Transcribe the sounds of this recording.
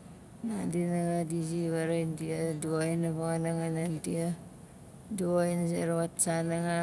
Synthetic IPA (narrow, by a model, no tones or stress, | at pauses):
nadinaŋadisiβaɾaintiaduoinaβaŋanaŋanantia | duoins̬iɾaβatsanaŋa